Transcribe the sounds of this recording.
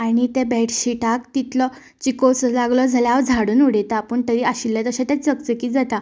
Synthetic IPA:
aɽ̃it̪ebeʈʰɕiʈakt̪it̪lɔ | t͡ɕikoslaɡlɔd͡zʱaljaʋd͡zʱaɽuːnuɽet̪apəɳt̪əɾiːaɕilːat̪əɕãt̪jat͡səkt͡səkiːd͡zat̪a

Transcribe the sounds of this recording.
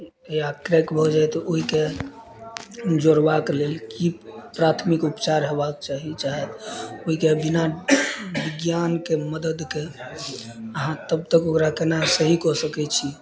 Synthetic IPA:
eakɾekbʱɔd͡ʒajt̪oɦike | d͡ʒoɾbaklelkipɾat̪ʰmikupt͡ʃaɾɦebakt͡ʃaɦit͡ʃaɦɛt̪oɦikebina | biɡjankeməd̪əd̪ke | əɦãt̪əb̚t̪əkokɾakenasəɦikɔsəkɛt͡ʃʰi

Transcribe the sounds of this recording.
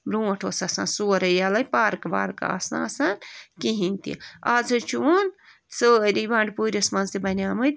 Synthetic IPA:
bɾuːʈʰoːsasã̰ːnsuːɾɐjaːlɐjpaːɾkba̰ːɾka̰ːsna̰ːsankiɦinʲt̪ḭaːzɨt͡ʃʰuun | sɨɾibaːɳɖpuːɾʲɐsmɐnzt̪ibɐnʲaːmɨt̪ʲ

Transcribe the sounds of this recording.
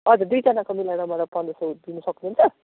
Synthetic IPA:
ʌd͡zʌd̪ujd͡zʌnakomilaɾʌmaɾapanusod̪inʌsʌknuɦunt͡sʰʌ

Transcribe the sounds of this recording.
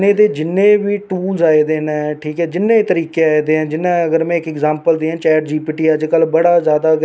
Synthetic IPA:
neːd̪eːd͡ʒɪnːẽːʋiːʈuːlzaːeːd̪eːnɛ̃ʈʰiːkɦɛːd͡ʒɪnːẽːt̪əɾiːkeaːeːd̪eːɦɛ̃ːd͡ʒɪnːãːəɡəɾmɛ̃ːɪkɛkzaːmpəld̪iːɦɛ̃ːt͡ʃɛːʈd͡ʒiːpiːʈiːəd͡ʒkəlbəɽaːzjaːd̪aː

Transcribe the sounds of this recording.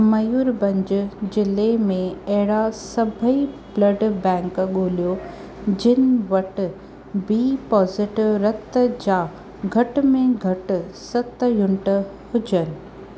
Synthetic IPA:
mɐjuːɾbɐ̃ɲd͡ʑʊd͡ʑɪlemẽɐɦɪɽasɐbʱəiblɐɖbɛ̃ːŋkɠoːlijo | d͡ʑɪnɪʋɐʈɪ̆ | biːpɔːzɪʈɪʋɾɐt̪d͡ʑaː | ɡʱɐʈʊ̆mẽɡʱɐʈʊ̆sɐt̪jʊɳʈ | hʊd͡ʑənɪ̆

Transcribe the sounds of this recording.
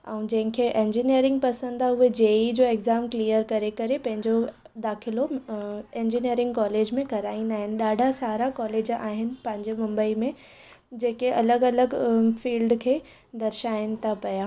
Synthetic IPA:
ɛ̰̃ũd͡ʑɐ̃ɦɪ̃kʰeʔẽːɲd͡ʑinijəɾɪ̃ŋɡ̚pɐsə̃nd̪aɦʊɦed͡ʑeːid͡ʑoːeɡzaːmkliːəɾkɐɾekɐɾepɐ̃ɦɪ̃ɲd͡ʑo | d̪aːxɪlo | ẽːɲd͡ʑinijəɾɪ̃ŋɡkɔːleːd͡ʑmẽkɐɾaːĩnd̪aːɦɪnɪ̆ɗaːɖʱasaːɾakɔːleːd͡ʑa̰ːɦɪnɪ̆pɐ̃ɦɪ̃ɲd͡ʑemɐ̃mbəimẽ | d͡ʑeːkeʔɐləɡɐləɡfiːlɖkʰeː | d̪ɐɾʃaːɪnɪ̆t̪ʰapɐjaː

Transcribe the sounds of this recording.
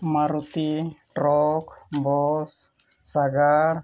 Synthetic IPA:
maɾut̪iʈɾɔkbɔsː | aɡaɽ

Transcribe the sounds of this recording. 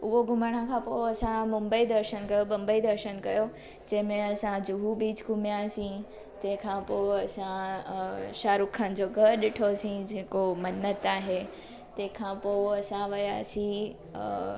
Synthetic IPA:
ʊɦoɡʱʊmaɽ̃ãkʰãːpoːɐsãmʊ̃mbəid̪ɐɾʃənkɐjoɓɐ̃mbəid̪ɐɾʃənkɐjo | d͡ʑɐ̃ɦɪ̃mẽɐsãd͡ʑʊɦubiːd͡ʑɡʱʊmjasĩ | t̪ɐ̃ɦɪ̃kʰãpoɐsã | ʃaːɾʊkʰənɪ̆d͡ʑoɡʱɐɾɗɪʈʰosĩd͡ʑeːkomɐnət̪aːɦe | t̪ɐ̃ɦɪ̃kʰãːpoːɐsãʋɐjasĩ

